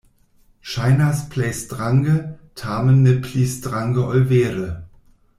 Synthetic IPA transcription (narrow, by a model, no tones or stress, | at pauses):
ʃaɪnɐspʰlɛɪsd̥ʁaŋɡətʰaːmənːɪpʰlisd̥ʁaŋɡəɔlveːʁə